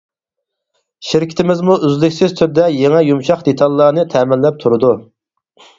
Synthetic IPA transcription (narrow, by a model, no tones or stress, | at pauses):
ʃɪɾkʲʰɪ̥t̪ʰɪmɪzmuʔyzlykʲsɪz̥t̪ʰyɾd̪ɛjeŋɛjumʃɑqd̪et̪ʰɑlˠːɑːnɨt̪ʰɛmɪlːɛp̚t̪ʰuɾɨd̪u